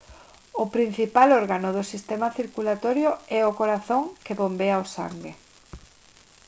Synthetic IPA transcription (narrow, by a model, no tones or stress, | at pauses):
ʊpɾin̟θipaloɾɣanʊðʊsist̪emaθiɾkulat̪oɾjoɛʊkoɾaθoŋkeβombeaosa̰ŋɡe